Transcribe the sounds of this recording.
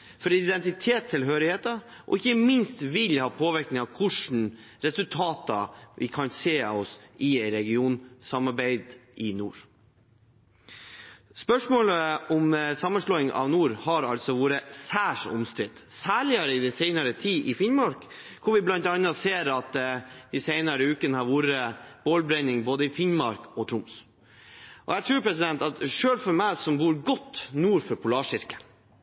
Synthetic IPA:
fɔɾɪd̪ɛnt̪ɪt̪ʰeːt̪ʰːɪlɦøːɾɪheːt̪ɑ | ʔɔ̰ɪçːəmɪnst̪ʋɪlhɑːpʰoːʋɪɾknɪŋɑʋkʰʉʂn̩ɾɛsʉlt̪ʰɑːt̪ɑ̰ʋʔɪ̰kʰɑnsḛːɔsʔɪɛɪɾɛɡɪuːnsɑmɑɾbæɪd̪ʔɪnṵːɾ | spœʂmoːləɔmsɑmːənʂɭɔːɪŋʔɑ̰ʋnuːɾhɑɾɑ̰lt̪sɔʋuːɾəsæːʂʊ̰mst̪ɾɪd̪̥ | sæːɭɪɑɾəɪd̪ɛsɛɪnɑɾət̪ʰiːʔɪfɪɲmɑɾk | kʰʊʋɪblɑnt̪ɑnɑseːɾɑt̪d̪̥ɪsɛɪnɑɾəʉːkənəhɑɾʋuːɾəb̥oːlbɾɛnɪŋboːd̪əɪfɪɲmɑɾkɔt̪ʰɾʊms | ʔɔ̰ɛɡt̪ʰɾʉːɾpʰɾɛs̬ɪd̪ɛnt̪ɑt̪ʂøːlfɔɾmæɪsɔmbuːɾɡɔt̪ːnuːɾfɔɾpʰʊlɑːʂɪɾkə̥

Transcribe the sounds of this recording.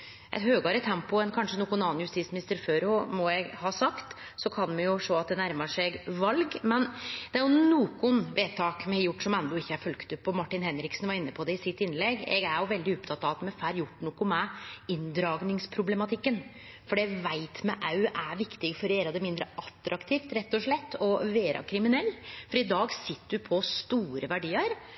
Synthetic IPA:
ʔɛ̰t̪høːɡɑɾət̪ʰɛmpʊɛnkʰɑnʂənuːkʊnɑːnjʉst̪iːt̪smɪnɪst̪əɾføːɾʊmɔɛɡhɑːsɑkt̪ | sɔkʰɑnmɛjʊʂoːɑt̪̚d̪ɛnæɾməʂɛɡʋɑlɡmɛnd̪̥ɛæɾjʊnuːkʊnʋeːt̪ʰɑːkmɛɛjʊʈːʂɔmɛnd̪ɔɪçːəæɾfœlkt̪əpɔmɑʈːɪnhɛnɾɪksnʋɑɾɪnːəpʰɔd̪ɛɪsɪt̪ːɪnːlɛɡːɛ̰ɡæɾjʊʋɛld̪ɪɔpt̪ʰɑt̪ːɑɑt̪mɛfæːɾjʊʈːnuːkʊmɛɪnd̪ɾɑːɡnɪŋspʰɾʊblɛmɑt̪ʰɪkːən | fɔɖɛʋæɪt̪mɛʔɑʉʔæʋɪkt̪ɪɡfɔɾeːɾɑd̪ɛmɪnd̪ɾə̰ʔɑt̪ːɾʔɑkt̪ʰiːft̪ɾɛt̪ːɔʂɭɛt̪ːɔʋeːɾʔɑ̰kʰɾɪmɪnɛlːfɔɾɪd̪ɑːɡsɪt̪ːəd̪ʉpʰɔst̪uːɾəʋæɖiːəɾ

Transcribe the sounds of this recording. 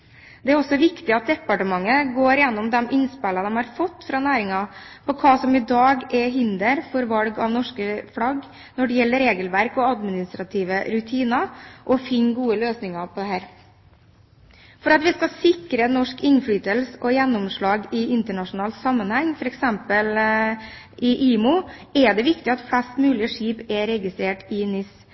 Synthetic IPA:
d̪ɛæɾɔsɔʋɪkt̪ɪɑt̪̚d̪ɛpːɑʈəmɑŋːəɡoːɾjɛnːɔmd̪ɛmʔɪnspɛlɑd̪ɛmhɑɾfɔt̪ːfɾɑːnæːɾɪŋɑpɔkʰɑːsɔmɪd̪ɑːɡɛɦɪnd̪əɾfɔɾʋɑlɡɑʋnɔʂkəflɑɡ | nɔɖɛjɛlːəɾeːɡəlʋæɾkɔɑd̪mɪnɪst̪ɾɑt̪ʰiːʋəɾʉt̪ʰiːnɑʔɔfɪnɡuːəløːsnɪŋɑpʰɔd̪ɛhæːɾ | fɔɾɑt̪ʋɪskɑsɪkɾənɔʂkɪnːfɽyːt̪əlsəʔɔjɛnːɔmʂɭɑːɡɪɪnt̪əɳɑʂʊnɑːlt̪sɑmːənhɛŋfɔɾɛksɛmpəl | ʔɪʔiːmʊɛd̪ɛʋɪkt̪ɪɑt̪fɽɛst̪mʉːlɪəʂiːpɛɾɛɡɪst̪ɾeːʈɪnɪs

